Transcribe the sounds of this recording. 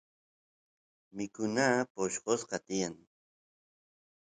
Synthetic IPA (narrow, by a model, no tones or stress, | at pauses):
mɪkʊnaːpoʃqosqɑt̪ɪjaŋ